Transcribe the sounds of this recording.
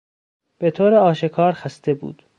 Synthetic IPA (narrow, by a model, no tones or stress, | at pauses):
b̥e̞t̪ʰoːɾeɒːʃekʰɒːɾxæst̪e̞bṵːd̪̥